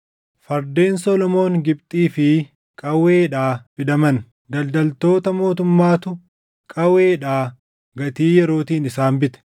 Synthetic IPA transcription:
fɐɾd̪e̞ːnsɔlɔmo̞ːŋɡɪb̚t̪ʼiːfɪ | kʼɐweːᶑaːb̥ɪd̪ɐmɐn | d̪ɐld̪ɐlt̪o̞ːt̪ɐmo̞ːt̪ʊmːaːt̪ʊ | kʼɐweːᶑaː | ɡɐt̪iːjɛɾo̞ːt̪iːnɪsaːnbɪt̪ɛ̥

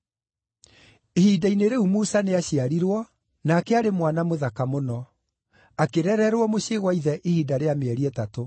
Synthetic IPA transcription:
ehiːdaineɾeumuːsaneaɕiaɾiɾwɔ | naːkɛaɾemwanamoðakamonɔ | akeɾɛɾɛɾwɔmoɕeɣwaiðɛʔehiːdaɾeameɛɾiɛtato

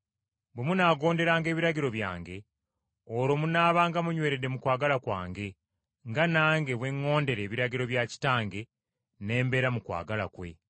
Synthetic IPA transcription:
bwemunaːɡo̞ːnde̞ɾaːŋɡe̞ːβiɾaɟiɾo̞βja̰ːŋɡe̞ | oɾo̞munaːβaːŋɡamuɲwe̞ːɾedːe̞mukwaːɡalakwa̰ːŋɡe̞ | ŋɡanaːŋɡe̞βwe̞ŋːo̞ːnde̞ɾe̞ːβiɾaɟiɾo̞βjaci̥taːŋɡe̞ | ne̞ːmbe̞ːɾamukwa̰ːɡala̰kwe̞̰

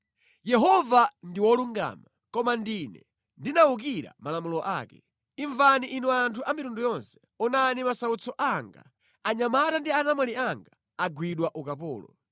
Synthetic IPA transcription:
jɛɦɔvandiwɔluŋɡa̰ːma | kɔmandinɛ̰ | ndinauk̬iɾa̰malamulɔʔa̰ːkɛ | iɱvaniʔinuantʰuʔamitundujɔnsɛ̥ | unanimasaut͡sɔʔaŋɡa̰ | aɲamatandianamwɛliaŋɡaː | ɡwiɗwaʔukapɔ̰ːlɔ̰

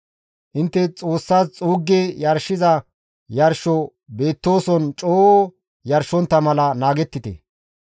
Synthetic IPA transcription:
ʔɪnt̪ːɛt͡sʼo̞ːsːaːst͡sʼuːɡːejɐɾʃɪzɐ | jɐɾʃɔ | be̞ːt̪ːo̞ːsɔnt͡ʃʼoː | jɐɾʃɔnt̪ːɐmɐlɐnaːɡɛt̪ːɪt̪ɛ̰

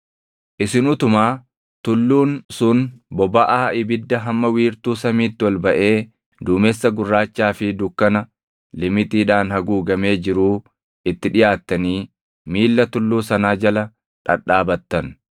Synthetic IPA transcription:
ʔɪsɪnʊt̪ʊmaː | t̪ʊlːuːnsʊnbɔbɐʔaːɪbɪd̪ːɐɦɐmːɐwiːɾt̪uːsɐmiːt̪ːɪwɔlbɐʔe̞ː | d̪ʊmesːɐɡʊrːaːt͡ʃːaːfɪd̪ʊkːɐnɐ | lɪmɪt̪iːᶑaːnhɐɡuːɡɐme̞ːd͡ʒɪɾuː | ɪt̪ːɪᶑɪjʔaːt̪ːɐniː | miːlːɐt̪ʊlːuːsɐnaːd͡ʒɐlɐ | ᶑɐ̰ᶑaːbɐt̪ːɐn

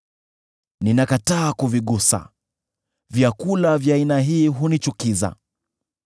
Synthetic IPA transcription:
ninakataːkuviɠusa̰ | vjakulavjaːinaɦiːɦunit͡ʃukiza̰

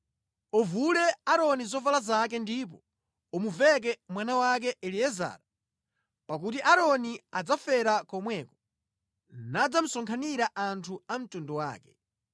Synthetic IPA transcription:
ɔvulɛaɾɔnizɔvalazak̬ɛndip̬ɔ | ɔmuvɛk̬ɛmwanawak̬ɛʔɛliɛza̰ːɾa | pak̬utiʔaɾɔniad͡zafɛɾakɔmwɛːkɔ̥ | nad͡zam̩sɔŋkʰaniɾaʔantʰuam̩tundɔwa̰ːkɛ̥

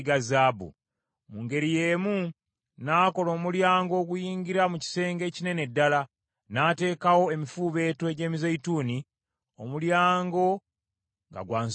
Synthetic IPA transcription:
ɡazaːbṵ | muŋɡe̞ɾije̞ːmu | naːko̞lo̞ːmuljaːŋɡo̞ːɡujiːɲɡiɾamuci̥se̞ːŋɡe̞ːcine̞ne̞dːala | naːte̞ːkawo̞e̞mifuːβe̞ːtweɟe̞ːmizejituːni | o̞̰muljaːŋɡo̞ | ŋɡa̰ɡwaːns

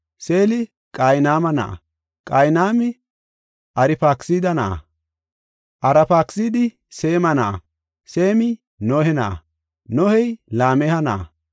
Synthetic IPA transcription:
se̞ːlɪ | kʼajnaːmɐnɐ̰ʔɐ̰ | kʼɐjnaːmɪ | ʔɐɾɪpaːksiːd̪ɐnɐʔɐ̰ | ʔɐɾɐpaːksiːd̪ɪ | se̞ːmɐnɐʔɐ | se̞ːmɪ | nɔhɛnɐʔɐ̰ | nɔhɛjlaːmɛhɐnɐʔɐ̰

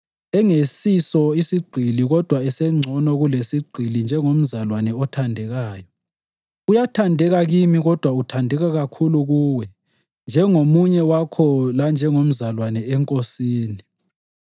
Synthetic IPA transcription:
ɛŋesisɔisiɡ͡ǀʱiliɣɔd̥ʱwaɛsɛŋ͡ǀʱɔnɔɣulesiɡ͡ǀʱilind͡ʒʱɛŋom̩zalwanɛɔtʰandʱɛɣaːjɔ | ujatʰandʱɛɣaɣimiɣɔd̥ʱwautʰandʱɛɣaɣakʰuluɣuːwɛ | nd͡ʒʱɛŋomuɲɛwakʰɔland͡ʒʱɛŋom̩zalwanɛɛŋkʼosiːni

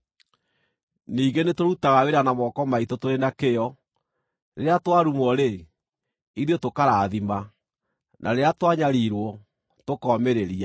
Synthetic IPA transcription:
niːɡenetoɾutaɣaweɾanamɔkɔmaitotoɾenakejɔ | ɾeɾeatwaɾumɔɾe | iɾiotokaɾaːðima | nʔa̰ɾeatwaɲaɾiɾwɔ | tokɔmeɾeɾia

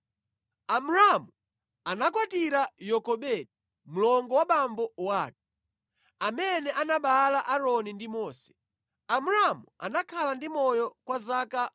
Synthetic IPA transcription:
amuɾamu | anakwatiɾajɔkɔɓɛɗi | mulɔŋɡɔwaɓambɔwaːk̚ɛ̥ | amɛnɛʔanaɓalaʔaɾɔnindimɔːsɛ̥ | amuɾamua̰nakʰalandimɔjɔkwazaka

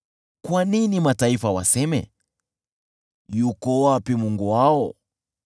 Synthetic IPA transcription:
kwaninimataifawa̰sɛmɛ̰ | jukɔwapimuŋɡuwaɔ

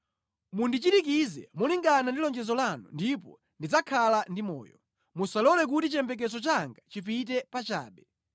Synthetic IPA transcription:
mundit͡ʃitikizɛ̰muliŋɡanandilɔnd͡ʒɛzɔlanṵndip̬ɔ̰ | ndid͡zakʰalandimɔ̰ːjɔ̰ | musalɔlɛk̬utit͡ʃɛmbɛk̬ɛt͡sɔt͡ʃaŋɡat͡ʃipitɛpat͡ʃa̰ːɓɛ

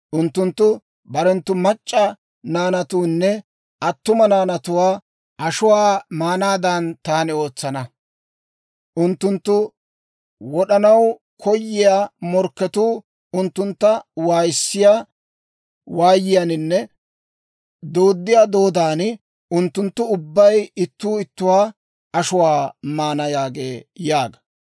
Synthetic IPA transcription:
ʔʊnt̪ːʊnt̪ːʊ | bɐɾɛnt̪ːʊmɐt͡ʃʼːɐ | naːnɐt̪uːnːɛ | ɐt̪ːʊmɐnaːnɐt̪ʊwaː | ʔɐʃʊwaːmaːnaːd̪aːnt̪aːnɪo̞ːt͡sːɐnɐ | ʔʊnt̪ːʊnt̪ːʊ | wɔɗɐnɐw | kʰɔjːɪjaːmɔɾkːɛt̪uː | ʊnt̪ːʊnt̪ːɐwaːjɪsːɪjaː | waːjːɪjanɪnːɛ | d̪oːd̪ːɪjaːd̪o̞ːd̪aːnɪ | ʊnt̪ːʊnt̪ːʊʊbːɐjɪt̪ːuːɪt̪ːʊwaː | ɐʃʊwaːmaːnɐjaːɡeːjaːɡɐ̥

